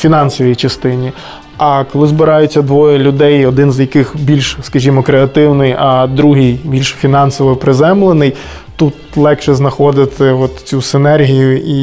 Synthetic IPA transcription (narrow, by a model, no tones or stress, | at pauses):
fʲinɑnsɔʋʲjit͡ʃɐst̪ɪnʲi | ɐkɔlˠɪzbɪɾɑjʊt͡sʲːɐd̪ʋɔjɛlʲʊd̪ɛjɔd̪ɪnzjɐkɪxbʲilʲʃskɐʒʲimɔkɾeɐt̪ɪwnɪjɐd̪ɾuɦɪjbʲilʲʃfʲinɑnsɔʋɔpɾɪzɛmlˠenɪj | t̪ut̪lˠɛkʃɛznɐxɔd̪ɪt̪ɪɔt̪t͡sʲusɪnɛrɦʲijʊi